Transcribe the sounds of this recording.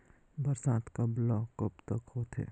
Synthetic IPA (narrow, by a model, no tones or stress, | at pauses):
bəɾsaːt̪kablɔkopt̪əkhot̪ʰḛ